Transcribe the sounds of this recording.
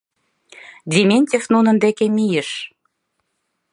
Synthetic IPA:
d̪ʲimʲenʲtʲefnunə̆nd̪ekemijəʃ

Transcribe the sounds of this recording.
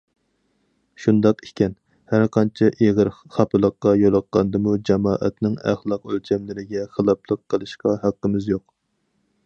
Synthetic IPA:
ʃund̪ɑqikʲʰɛn | hæɾqʰɑnt͡ʃʰɛʔeʁəɾχɑpʰɨlˠəqːɑjolˠɑqːɑnd̪ɨmud͡ʒɑmɑːʔɛ̰t̪nɪŋæ̰χlˠɑqølt͡ʃʰɛmlɪɾɪɡʲɛχəlˠɑpʰlˠəqʰːəlˠɨʃqɑɦæqːəmɪzjoq

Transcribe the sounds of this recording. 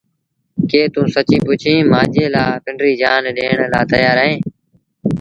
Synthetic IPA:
keːt̪ũːsət͡ʃĩːpʊt͡ʃʰĩːmaːʄeːlaːpɪɳɖɾiːd͡ʒaːnɗeːɳlaːt̪əjaːɾəɦẽː

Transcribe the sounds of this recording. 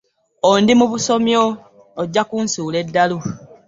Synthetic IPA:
ondimuβuso̞mjoː | ɟːakuːnsuːle̞dːalu

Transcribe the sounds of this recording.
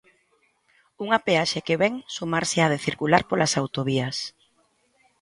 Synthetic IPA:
uŋapeaʃekeβɛŋsumaɾseað̞eθiɾkulaɾpolasawt̪oβiɐs

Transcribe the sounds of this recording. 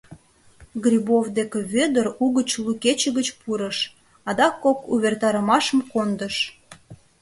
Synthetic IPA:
ɡrʲibovd̪ekeβød̪əruɣət͡ɕluket͡ɕəɣət͡ɕpuɾəʃ | ɑd̪ɑkːokuβert̪ɑɾəmɑʃəmkond̪əʃ

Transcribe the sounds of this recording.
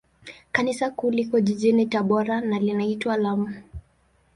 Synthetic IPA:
kanisakulikɔʄiʄinitaɓɔɾanalinaitwaːlamu

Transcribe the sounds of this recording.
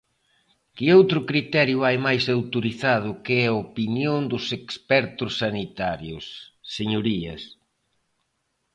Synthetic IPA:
kɪowt̪ɾʊkɾit̪ɛɾjʊajmajsawt̪oɾiθað̞ʊkɪɛɐopinjond̪ʊsekspɛɾt̪ʊsːanit̪aɾjʊsːeɲoɾiɐ̰s

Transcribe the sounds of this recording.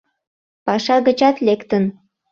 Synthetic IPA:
pɑʃɑɣət͡ɕɑt̪lekt̪ən

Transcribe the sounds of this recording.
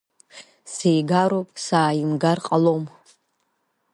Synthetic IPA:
sejɡaɾopʼsaːimɡarqʼalom

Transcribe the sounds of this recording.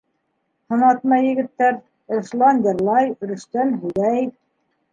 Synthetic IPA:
hɤ̆nɑt̪mɑjɘ̆ɡɘ̆t̪ːæɾ | ɤ̆ɾʃlˠɑnd̪ɤ̆ɾlˠɑjɵ̆ɾɘ̆ʃt̪ænɦʉðæj

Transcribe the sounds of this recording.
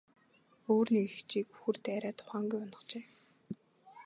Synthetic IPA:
oːrniɡxt͡ɕiːkuxŭrt̪æɾæːt̪ʰʊ̥χaːŋɡujɔnə̆χt͡ɕeː

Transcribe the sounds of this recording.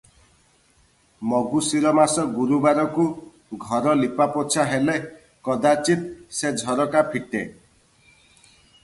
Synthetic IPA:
mɔɡusiɾɔmasɔɡuɾubaɾɔku | ɡʱɔɾɔlipapɔt͡ʃʰaɦele | kɔd̪at͡ʃit̪̚sed͡ʒʱɔɾɔkapʰiʈe

